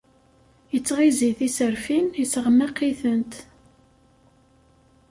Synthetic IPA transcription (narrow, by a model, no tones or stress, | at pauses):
jət͡sːʁiziθisəɾfinisəʁəmːæqːiθənt̪